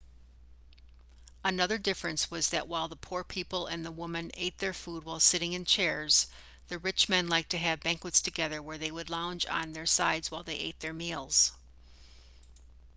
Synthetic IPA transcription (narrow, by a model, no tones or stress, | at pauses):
ənʌðə˞dɪfɹɨ̃nswʌzðɨʔwaɪlˠðəpʰuɹpʰipl̩ˠɨ̃nðəwʊmɨ̃neɪt̪̚ðə˞fud̚waɪlˠsɪɾɪ̃ŋɨ̃nt͡ʃʰɛɹz̥ | ðɨɹɪt͡ʃmɛ̃nlaɪk̚tʰɨɨvbæ̃ŋkwətstʰɨɡɛðə˞wə˞ðeɪwədˡlãʊ̃nd͡ʒ̃n̩ðə˞saɪdz̥waɪlˠðeɪʔḛɪt̪̚ðə˞milˠz̥